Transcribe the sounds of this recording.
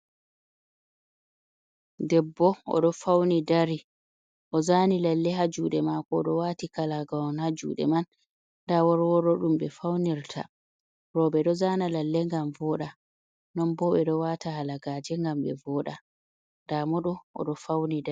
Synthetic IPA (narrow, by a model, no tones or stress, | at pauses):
dɛbːɔɔ̰ɗɔfawnidaɾi | ʔɔzanilalːɛɦad͡ʒuɗɛmakɔɗɔwatikalaɡawnhad͡ʒṵːɗɛ̰man | dawɔɾwɔɾɔɗumɓɛfawniɾtʰa̰ | ɾɔɓɛɗɔzaːnalalːɛŋɡamvɔɗa | nɔnbɔɓɛɗɔwatahalaɡaːd͡ʒɛŋɡamɓɛ̰vɔːɗa | ndamɔɗɔɔ̰ɗɔfawnida